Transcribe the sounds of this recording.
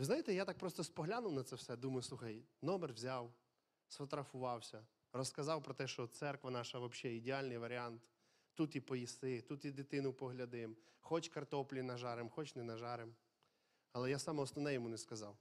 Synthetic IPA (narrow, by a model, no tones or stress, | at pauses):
ʋɪznɑjɪt̪ɛjat̪ɑk̚pɾɔst̪ɔspɔɦlʲanʊwnɐt̪sɛwsɛd̪umɐjʊsˠuxɐjnɔmerʋzʲɑw | sʋɐt̪ɾɐfʊʋɑwsʲɐ | rɔskɐzɑwpɾɔt̪ɛʃt͡ʃɔt̪sɛrkʋɐnɑʃɐʋɐbʃɛidʲɪɑlʲnɪjʋɐɾʲiɑnt̪ | t̪ːut̪jipɔjisɪt̪ut̪jid̪ɪt̪ɪnʊpɔɦlʲɐd̪ɪmxɔt͡ʃkɐrt̪ɔplʲinɐʒɑɾɪmxɔt͡ʃnɛnɐʒɑɾɪm | ɐlˠɛjasɑmɔɔsnɔnɛjɔmunɛskɐzɑw